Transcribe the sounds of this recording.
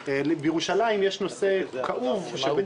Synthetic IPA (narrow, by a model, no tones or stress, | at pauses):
lbjeʁuʃalaimjeʃno̞se̞kʰaʔuvʃe